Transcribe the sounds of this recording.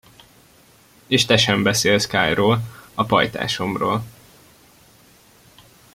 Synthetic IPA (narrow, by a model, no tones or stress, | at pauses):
eːʃt̪ɛʃɛmbɛseːlskaːjroːlɒpɒ̰jt̪a̰ːʃo̞mro̰ːl